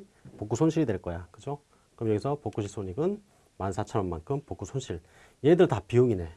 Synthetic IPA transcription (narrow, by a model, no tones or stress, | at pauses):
pok͈usʰonɕʰiɾidwe̞ɭk͈ʌjakɯd͡ʑo | kɯɾʌmjʌɡisʰʌpok͈uɕʰisʰoɲiɡɯn | mansʰat͡ɕʰʌɾʌmːankʰɯmpok͈usʰonɕʰiɭ | jeidɯɭtapiuŋine